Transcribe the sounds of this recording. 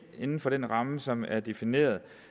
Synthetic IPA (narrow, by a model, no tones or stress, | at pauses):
e̝nn̩fɒ̽ɾ̥enʁɑ̈məsɒ̽mæɐd̥e̝fine̝̰ːɐð̞ˠ